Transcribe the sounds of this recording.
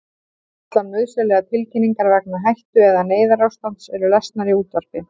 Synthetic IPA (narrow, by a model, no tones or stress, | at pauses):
t̪lanmːœðsɛlɛɣat̪ʰɪlcʰɪnːiŋkaɾvɛk̚naɦajht̪ʏɛðaneːjðaɾawst̪an̥t̪sɛɾʏlɛst̪naɾiuːt̪var̥pɪ